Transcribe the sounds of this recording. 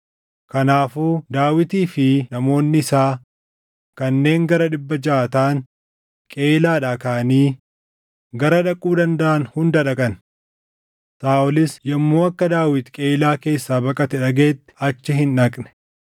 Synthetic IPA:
kɐnaːfuːd̪aːwɪt̪iːfɪnɐmo̞ːnːɪɪsaː | kɐnːe̞ːŋɡɐɾɐᶑɪbːɐd͡ʒaːt̪aːŋ | kʼe̞ːlaːᶑaːkɐːɐniː | ɡɐɾɐᶑɐkʼːuːd̪ɐnd̪ɐʔɐnhʊnd̪ɐᶑɐkʼɐn | t̪aːʔɔlɪsjɐmːo̞ːɐkːɐd̪aːwɪt̪kʼe̞ːlaːke̞ːsːaːbɐkʼɐt̪ɛᶑɐɡe̞ːt̪ːɪ̥ɐt͡ʃːɪɦɪnᶑɐkʼnɛ̥

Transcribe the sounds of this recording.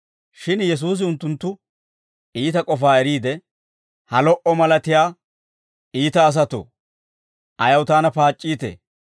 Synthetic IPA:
ʃɪnjɛs̬uːs̬ɪʊnt̪ːʊnt̪ːʊ | iːt̪ɐkʼɔfaːɛɾiːd̪ɛ | hɐlɔʔɔmɐlɐt̪ɪjaː | iːt̪ɐːs̬ɐt̪o̰ | ʔɐjɐwt̪aːnɐpaːt͡ʃʼːiːt̪ḛː

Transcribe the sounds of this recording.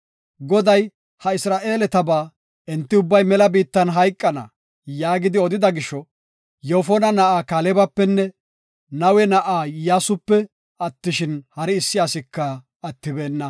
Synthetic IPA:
ɡɔd̪ɐj | hɐɪsɾaːʔeːlɛt̪ɐbaː | ɛnt̪ːɪʊbːɐjmɛlɐbiːt̪ːɐnɦɐjkʼːɐnɐ̰ | jaːɡɪd̪ɪɔd̪ɪd̪ɐɡɪʃɔ | joːfɔnɐnɐʔaːkaːlɛbɐpːɛnːɛ | nɐwɛnɐʔaːjaːsʊpːɛ | ɐt̪ːɪʃɪnhɐɾɪːsːɪjaːsɪkːɐː | t̪ːɪbe̞ːnːɐ

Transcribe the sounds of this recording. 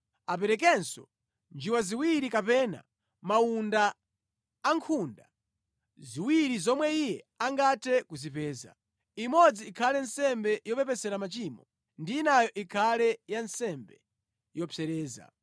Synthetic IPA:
apɛɾɛk̬ɛnsɔ̰ | nd͡ʒiwaziwiɾikapɛna̰ | maundaː | ŋkʰunda | ziwiɾizɔmwɛijɛ | aŋɡatʰɛkuzipɛːza̰ | imɔd͡ziːkʰalɛnsɛmbɛjɔpɛpɛsɛɾamat͡ʃiːmɔ | ndiːnajɔʔikʰalɛjansɛmbɛ | jɔpʰɛɾɛːza̰

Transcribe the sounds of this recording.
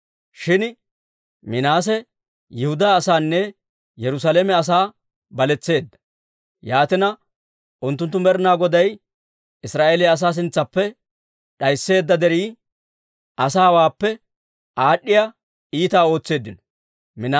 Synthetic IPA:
ʃɪn | mɪnaːs̬ɛ | jɛhʊd̪aːsaːnːɛ | jɛɾʊs̬aleːmɛɐs̬aː | bɐlɛt͡sːe̞ːd̪ːɐ̥ | jaːt̪ɪnɐ | ʔʊnt̪ːʊnt̪ːʊmɛɾnaːɡɔd̪ɐj | ɪsɾaːʔelɪjɐs̬aːs̬ɪnt͡sːɐpːɛ | ɗɐjsːe̞ːd̪ːɐd̪ɛɾiː | ʔɐsaːwaːpːɛ | ʔaːɗːɪja | iːt̪aːo̞ːt͡sːe̞ːd̪ːɪnɔ | mɪn

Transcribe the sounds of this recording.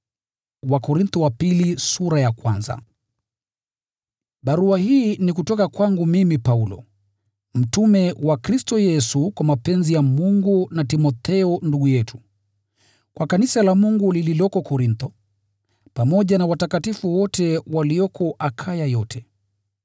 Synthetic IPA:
wakɔɾint̪ɔwapilisuɾajakwanza̰ | ɓaɾuahiːnikutɔkakwaŋɡumimipaulɔ̰ | m̩tumɛwakɾistɔjɛsukwamapɛnzijamuŋɡunatimɔt̪ɛɔnduɠujɛtʰu̥ | kwakanisalamuŋɡulililɔkɔkɔɾint̪ɔ | pamɔʄanawatakatifuwɔtɛwaliɔkʰɔʔakʰajajɔtʰɛ

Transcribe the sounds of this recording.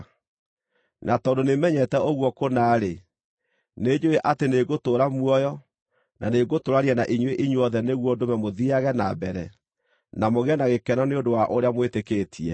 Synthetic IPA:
natɔːndonemɛɲɛtɛoɣwɔkonaːɾe | neːd͡ʑoeʔateneɣotoːɾamwɔjɔ | naneɡotoɾaɾianaʔiɲweʔiɲwɔðɛneɣwɔdomɛmoðiaɣɛnabɛɾɛ | namoɣeɛnaɣekɛnɔneondowaʔoɾeamwetekeːtʰiɛ

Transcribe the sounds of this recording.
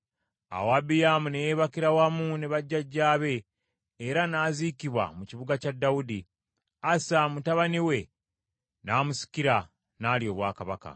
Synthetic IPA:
a̰waːbijamune̞jeːβakiɾawamuneβaɟːaɟːaːβe̞ː | ɾanaːzikiβwa̰muciβuɡacadːawudi | asamutaβaniwe̞ | naːmusi̥kiɾa | naːljo̞ːβwaːkaβaka̰

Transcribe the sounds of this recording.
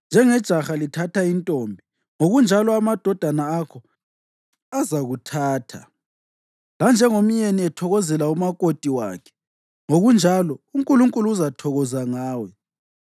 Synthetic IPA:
nd͡ʒʱɛŋɛd̥ʒ̥ʱaxalitʰatʰaintʼɔmbʱi | ŋoɣund͡ʒʱalɔamad̥ʱɔd̥ʱanaːkʰɔ | azaɣutʰaːtʰa̰ | land͡ʒʱɛŋom̩ɲeniɛtʰɔɣɔzɛlaumakʼotʼiwa̰ːkʰɛ̥ | ŋoɣund͡ʒʱalɔuŋ̩kʼuluŋkʼuluːzatʰɔɣɔzaŋaːwɛ

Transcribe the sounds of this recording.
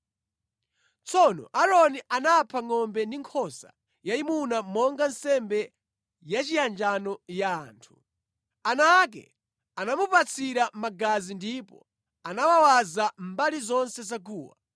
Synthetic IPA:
t͡sʰɔnɔ̰ʔaɾɔniʔanapʰaŋɔmbɛndiŋkʰɔsa̰ | jaimunamɔŋɡansɛmbɛ | jat͡ʃijand͡ʒanɔja̰ːntʰu̥ | anak̬ɛ̰ | anamupat͡sʰiɾamaɡazindipɔ̰ | anawawazam̩balizɔnsɛzaɡuːwa̰

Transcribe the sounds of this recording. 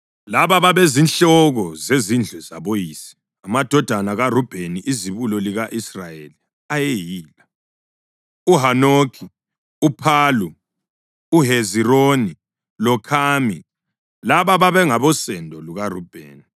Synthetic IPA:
laβaβaβezinɬɔɣɔzezind͡ɮʱɛza̰βojiːsi̥ | amad̥ʱɔd̥ʱanaɣarub̥ʱeniʔiziβulɔliɣaʔisrajeli | ajejiːla | uɦanokʰi | upʰaːlu | uɦezironi | lɔkʰaːmi | laβaβaβɛŋaβɔsɛndʱɔluɣarub̥ʱḛːni

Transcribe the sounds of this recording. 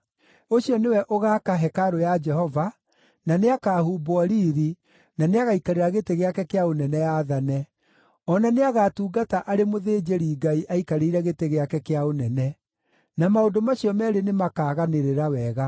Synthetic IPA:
oɕiɔnewɛʔoɣakaɦɛkaɾojad͡ʒɛhɔva | naneakaːhuːbwɔɾiːɾi | naneaɣaikaɾeɾaɣeteɣeakɛkeaonɛnɛjaːðanɛ | ɔnaneaɣatuːɡataʔaɾemoðeːd͡ʒeɾiːɡaiʔaikaɾeiɾɛɣeteɣeakɛkeaonɛnɛ | namaondomaɕiɔmɛɾenemakaːɣaneɾeɾawɛɣa

